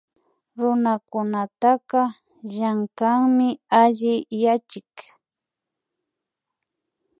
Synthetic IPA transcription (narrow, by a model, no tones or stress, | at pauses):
ɾʊnakʊnat̪aqɑ | ʒaŋkaŋmɪaʎɪjat͡ʃɪk